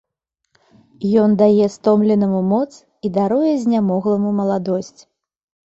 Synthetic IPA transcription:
jɔnd̪ajɛst̪ɔmlʲɛnɐmumɔt̪s | id̪aɾujɛzʲnʲamɔɣlˠɐmumɐlˠad̪ɔsʲt͡sʲ

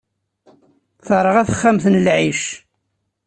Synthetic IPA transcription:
θˤɾˤəʁæθə̥χːæmθənlʕiʃ

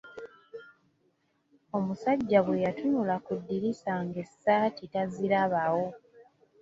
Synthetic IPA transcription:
omusaɟːaβwe̞jatuɲulakudːiɾisaŋɡe̞sːaːtitaziɾaβawo̞

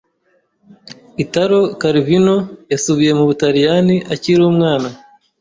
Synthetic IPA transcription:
itaɾo̞kaɾivinojasuβije̞muβutaɾijaniʔaciɾuːmŋaːna

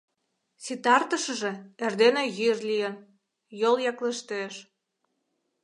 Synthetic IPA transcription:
sit̪ɑrt̪əʃə̆ʒĕerd̪eneɣyrlijən | joljɑkleʃt̪øeʃ

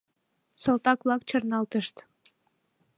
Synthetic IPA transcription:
sɤ̆lt̪ɑkβlɑk̚t͡ɕərnɑlt̪əʃt̪

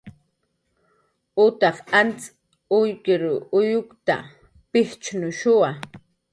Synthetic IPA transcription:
ʊt̪ɑχant͡s | ʊjkɪɾʊjʊkt̪a̰ | pɪht͡ʃnʊʃʊwa

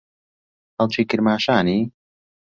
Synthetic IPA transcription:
hɐlˠt͡ʃʰiːkɨɾmaːʃaːniː

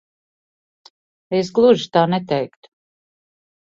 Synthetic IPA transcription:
es̬ɡlˠuʒit̪aːnɛt̪ɛjkt̪

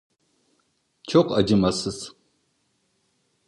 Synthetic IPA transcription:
t͡ʃʰoqʷɐd͡ʒɨmɐsɨs

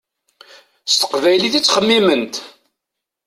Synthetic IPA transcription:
st̪ə̥qvæjliθit͡sːχəmːimənt̪

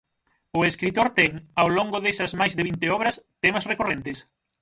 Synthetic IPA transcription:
ʊeskɾit̪oɾt̪ɛŋawloŋɡʊðesɐzmajzðɪβint̪ɪɔβɾɐst̪ɛmɐsrekorent̪ɪs

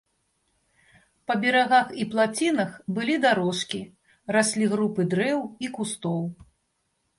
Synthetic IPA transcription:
pɐbʲɛɾaɣaxiplˠat͡sʲinɐxbɨlʲid̪aɾɔʂkʲi | rasʲlʲiɣɾupɨd̪ɾɛwikust̪ɔw

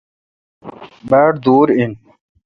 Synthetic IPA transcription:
beːʈd̪uːɾin

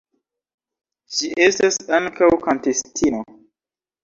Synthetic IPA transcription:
ʃiʔestasaŋkawkantestʰino

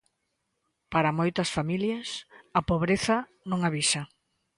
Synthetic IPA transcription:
paɾɐmojt̪ɐsfamiljɐsɐpoβɾeθɐ | nõŋaβisɐ

